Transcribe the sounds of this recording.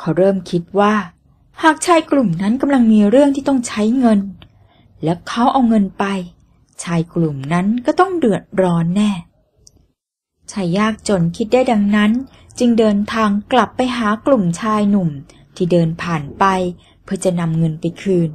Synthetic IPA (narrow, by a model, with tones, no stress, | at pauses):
kʰa˦˥wɾɤː˥˩mkʰi˦˥t̪̚waː˥˩ | haː˨˩k̚t͡ɕʰaː˧jklu˨˩mna˦˥nka˧mla˧ŋmiː˧ɾɯ˥˩əŋt̪ʰiː˥˩t̪ɔ˥˩ŋt͡ɕʰa˦˥jŋɤ˧n | lɛ˦˥wkʰa˦˥wʔa˧wŋɤ˧npa˧j | t͡ɕʰaː˧jklu˨˩mna˦˥nkɔː˥˩t̪ɔ˥˩ŋdɯ˨˩ət̪̚ɾɔː˦˥nːɛː˥˩ | t͡ɕʰaː˧jːaː˥˩k̚t͡ɕo˧nkʰi˦˥t̪̚daː˥˩jda˧ŋna˦˥n | t͡ɕɯ˧ŋdɤː˧nt̪ʰaː˧ŋkla˨˩pːa˧jɦaː˩˦klu˨˩mt͡ɕʰaː˧jnu˨˩m | t̪ʰiː˥˩dɤː˧npʰaː˨˩npa˧j | pʰɯ˥˩t͡ɕa˨˩na˧mŋɤ˧npa˧jkʰɯː˧n